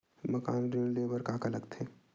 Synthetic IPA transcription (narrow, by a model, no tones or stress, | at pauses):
mɐka̰ːnɖinlebəɾkaːkaləɡt̪ʰeː